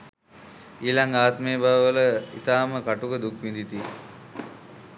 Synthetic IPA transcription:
iːlaŋɡaːt̪meːbaʋəʋələḭt̪aːməkaʈukəd̪ukʋind̪it̪i

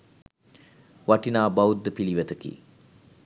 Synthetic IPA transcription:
ʋaʈinaːbɐwud̪ːəpiliʋət̪əkḭ

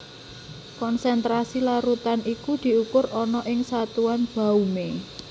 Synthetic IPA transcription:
kɔnsɛnt̪ɾasilaɾut̪anikud̪̥i̤ukʊrɔnɔʔɪŋsat̪uanb̥a̤ume

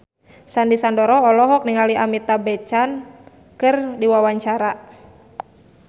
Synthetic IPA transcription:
sandisandɔɾɔɔlɔɦɔk̚niŋaliʔamit̪abɛt͡ʃan | kɨrdiwawaɲt͡ʃaɾa

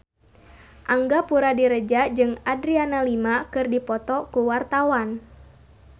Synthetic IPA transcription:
ʔaŋɡapuɾadiɾəd͡ʒad͡ʒɨŋadɾianalimakɨrdipɔt̪ɔkuwart̪awan

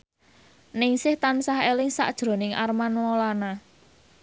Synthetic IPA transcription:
nɪŋsɪht̪ansaɦelɪŋsa̰ʔd̥ʒ̥ɾo̤nɪŋʔa̰rmanwolana

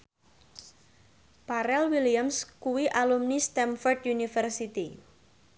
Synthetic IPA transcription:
paɾɛlwiliamskuwiʔalumnist̪ɛmfɔrd̪junifɛrsit̪i

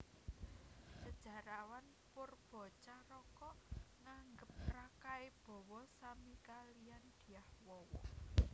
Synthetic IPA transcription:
səd̥ʒ̥a̤ɾawan | pʊrb̥ɔ̤t͡ʃaɾɔkɔʔŋaŋɡəp̚rakaeb̥ɔ̤wɔsamikaliand̪̥i̤ahwɔwɔ̰

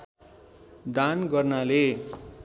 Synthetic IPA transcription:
d̪anɡʌrnale

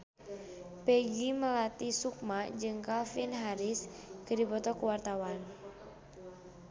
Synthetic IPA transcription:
pɛɡiməlat̪isuk̚mad͡ʒɨŋkalfinɦaɾiskədibɔt̪ɔkuwart̪awan

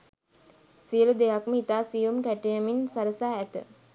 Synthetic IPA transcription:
sijəlud̪ejakməit̪aːsijumkæʈəjəminsaɾəsaːæt̪ə̰

